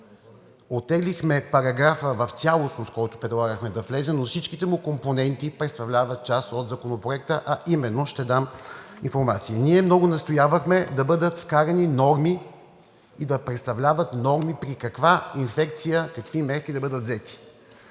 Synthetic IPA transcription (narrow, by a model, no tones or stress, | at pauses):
ot̪ːɛɡlixmɛpɐɾɐɡɾafəvɐft̪sʲalˠosnoskɔjt̪ʊ̥pɾɛd̪lˠaɡəxmɛd̪ɐflɛzɛnofsit͡ʃkit̪ɛmʊkomponɛnt̪ipɾɛt̪st̪ɐvlʲavɐt̪̚t͡ʃasod̪zɐkonopɾoɛk̚t̪əʔɐʔimɛnːoʃt̪ɛd̪aminfoɾmat̪siəniɛmnɔɡʊnɐst̪ojavəxmɛd̪ɐbɤd̪ət̪fkaɾʲɐninɔɾmi | id̪ɐpɾɛt̪st̪ɐvlʲavɐt̪nɔɾmipɾikɐkvainfɛk̚t̪sijəkɐkvimɛɾkid̪ɐbɤd̪ət̪zɛt̪i̥